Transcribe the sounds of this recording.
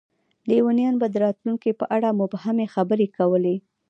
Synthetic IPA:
lewənjɑnbad̪əɾɑt̪luŋkipəʔaɽamʊbhamexabəɾekawəle

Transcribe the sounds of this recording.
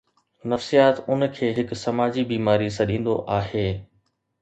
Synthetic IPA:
nɐfsijaːt̪ʊnkʰeːɦɪksɐmaːd͡ʑibiːmaːɾisɐɗĩːn̆d̪o̰ʔaːheː

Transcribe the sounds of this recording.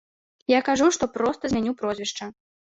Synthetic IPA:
jakaʐuʂt̪ɔpɾɔst̪ɐzʲmʲanʲupɾɔzʲvʲiʂt͡ʂɐ

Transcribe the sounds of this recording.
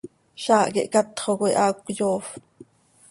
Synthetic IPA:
ʃɑːʔkiʔkɑt̪χokoiʔɑːkʷkjoːf

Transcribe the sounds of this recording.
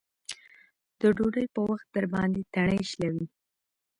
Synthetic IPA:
d̪̥əɖoɖəjpəwaxt̪̚d̪əɾbɑnd̪et̪aɳəjʃlawi

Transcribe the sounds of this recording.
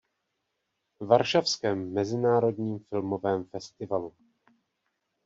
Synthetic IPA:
vaɾʃafskɛːmːɛzɪnaːɾo̞dɲiːmfɪlmo̞vɛːmfɛst̪ɪvalu

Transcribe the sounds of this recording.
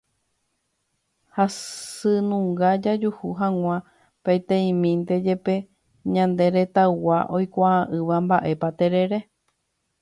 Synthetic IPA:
hasɨnũŋɡad͡ʒad͡ʒuhuɦãŋʷã | pet̪ẽĩmĩnt̪e̞d͡ʒe̞pe̞ | ɲãnd̪e̞ɾe̞t̪awaʔo̞jkʷaãʔɨʋambaʔe̞pat̪e̞ɾe̞ɾe̞

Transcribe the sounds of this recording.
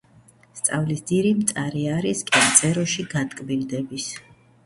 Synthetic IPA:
st̪sʼavlisd̪iɾimt̪sʼaɾiaɾiskʼɛnt̪sʼɛɾɔʃiɡat̪ʼkʼbild̪ɛbis

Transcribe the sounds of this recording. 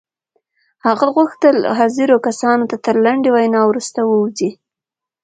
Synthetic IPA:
haɣaɣuxt̪əlɦɑziɾokasɑnot̪at̪əɾlaɳɖewajnɑwɾust̪awəwzi

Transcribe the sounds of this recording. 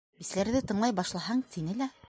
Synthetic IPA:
bislæɾðɘt̪ɤ̆ɴlˠɑjbɑʃlˠɑɦɑɴt̪ʰinɘlæ

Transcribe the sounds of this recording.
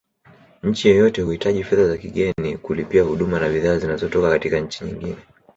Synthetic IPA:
ɲ̩t͡ʃijɔjɔtɛhuhitaʄifɛðazakiɠɛnikulipiahuɗumanaɓiðaːzinazɔtɔkakatikaɲ̩t͡ʃiɲḭŋɡinɛ

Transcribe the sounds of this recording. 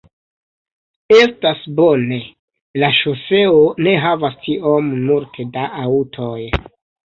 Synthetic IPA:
e̞stasbo̞ne̞ | laʃose̞one̞ɦavastʰiʔommultʰedaʔautʰoj

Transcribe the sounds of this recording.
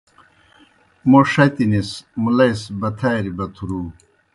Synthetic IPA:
moʂɐt̪inismulɐjsbɐt̪ʰajɾibɐt̪ʰuɾuː

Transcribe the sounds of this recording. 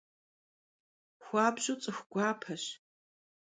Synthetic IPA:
xʷɑːbʑʼʊt͡sʼɨxʷɡ̥ʷaːpʰɐɕ

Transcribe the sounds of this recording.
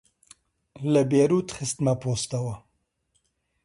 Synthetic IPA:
ləbeːɾuːt̪xɨst̪mɐpʰoːst̪ɐwɐ

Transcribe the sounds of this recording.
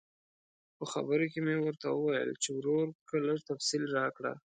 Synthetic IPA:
pəxa̰bəɾokemewəɾt̪awəwajə̰lt͡ʃewɾoɾkələʐt̪afsilɾɑkɽa̰

